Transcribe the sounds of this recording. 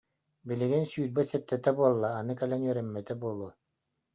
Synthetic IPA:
bilɘ̆ɡɘnsyːɾbɛsɛt̪ːɛt̪ɛbuɔlˠːaːnɯkɛlɛnjœɾɛmːɛt̪ɛbuɔlˠu

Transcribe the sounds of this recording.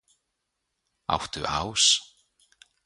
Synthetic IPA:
a̰wht̪ʏʔaws

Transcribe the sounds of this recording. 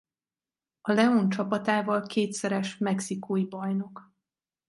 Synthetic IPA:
ɒlɛont͡ʃɒpɒt̪aːvɒlkʰeːt̪sɛɾɛʃmɛksikʰoːjibɒjno̞k

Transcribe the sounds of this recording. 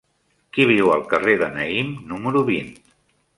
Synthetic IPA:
kiβ̞iwəlˠkəreðənəimnuməɾuβin

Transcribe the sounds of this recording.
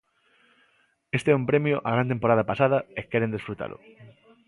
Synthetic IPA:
est̪eɛũmpɾemjʊʔa̰ɣ̞ɾant̪empoɾað̞ɐpasað̞ɐekɛɾend̪esfɾut̪a̰lʊ̰

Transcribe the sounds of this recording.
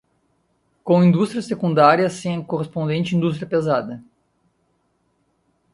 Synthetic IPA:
kõĩnd̪ust̪ɾiɐsekũnd̪aɾiɐsẽɐ̃koʁespõnd̪ẽnt͡ʃɪĩnd̪ust̪ɾijɐpezad̪ɐ

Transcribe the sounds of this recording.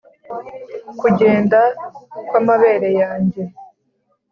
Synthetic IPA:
kuɟe̞ːndakwamaβe̞ːɾe̞jaːɲɟe̞

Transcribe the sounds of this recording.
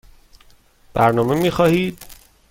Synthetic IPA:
b̥æɾnɒːme̞miːxɒːhiːd̪̥̚

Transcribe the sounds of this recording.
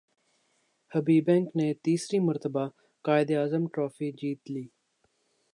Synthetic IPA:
həbiːbɛ̃ːŋkneːt̪iːsɾiːməɾt̪əbaː | kaːɪd̪eaːzəmʈɾɔːfiːd͡ʒiːt̪liː

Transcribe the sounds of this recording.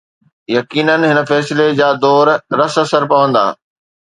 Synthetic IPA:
jɐkiːnənɦɪnə̆fɛːsɪled͡ʑaːd̪ɔːɾɾɐsɐsəɾpɐʋə̃nd̪a̰ː

